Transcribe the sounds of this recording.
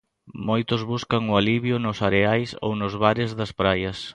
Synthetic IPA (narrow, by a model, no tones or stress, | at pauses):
mojt̪ʊzβuskɐŋʊaliβjʊnʊsaɾeajso̰wnʊzβaɾɪzðɐspɾajɐs